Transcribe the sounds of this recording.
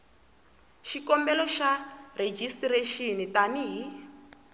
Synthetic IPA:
ʃikɔmbɛlɔʃared͡ʒistireʃinitaniɦi

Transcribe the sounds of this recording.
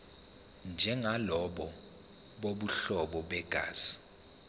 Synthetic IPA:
nd͡ʒʱɛŋalɔɓɔ | ɓoɓuɬɔɓɔɓɛɡ̥ʱa̰ːsi̥

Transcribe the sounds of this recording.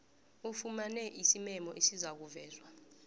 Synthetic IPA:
ufumanɛʔisimɛmɔʔesizak̬uvɛːzwa

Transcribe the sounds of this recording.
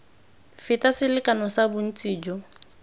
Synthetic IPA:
fɪtʼasɪlɪkʼanɔsabʊn̩t͡sʼiːd͡ʒɔ

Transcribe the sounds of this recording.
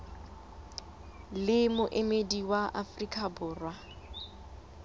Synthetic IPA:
lɪmʊʔemediwaʔafrikʰʼabʊːrwa

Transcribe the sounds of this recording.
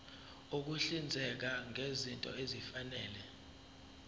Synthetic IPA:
uk̬uɬind͡zʱɛk̬aŋezintʼɔ̰ezifanɛːlɛ

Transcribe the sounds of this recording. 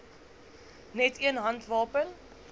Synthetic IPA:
nɛtiənɦɐntvɑːpən

